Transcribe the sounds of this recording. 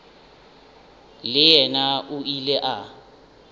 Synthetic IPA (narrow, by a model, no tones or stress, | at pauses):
lɪjɛnaʔʊilɛʔa